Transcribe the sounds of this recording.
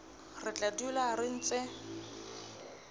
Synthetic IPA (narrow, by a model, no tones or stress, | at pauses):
rɪt͡ɬʼadularɪn̩t͡sʼɪ